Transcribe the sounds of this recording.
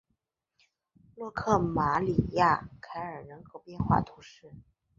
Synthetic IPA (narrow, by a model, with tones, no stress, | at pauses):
lwɔ˥˧kʰɤ˥˩ma˧˥li˨˩ja̰˥˩kʰa˧˥ɪə˞˨˩nɤ˧˥ŋko˥˩ʊpjɛ˥˧nxwa̰˥˩t̪ʰu˧˥ʂɻ̩˥˩